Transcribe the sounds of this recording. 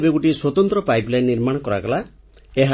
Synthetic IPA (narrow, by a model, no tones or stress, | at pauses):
beɡuʈiswɔt̪ɔnt̪ɾɔpajplajnːiɾmaɽ̃ɔkɔɾakɔla | eɦa